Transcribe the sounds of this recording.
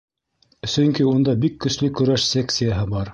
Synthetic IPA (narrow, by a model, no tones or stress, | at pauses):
sɵŋkiund̪ɑbikːɵ̆slɵkɵ̆ɾæʃsʲek̪sɨjaɦɤbɑɾ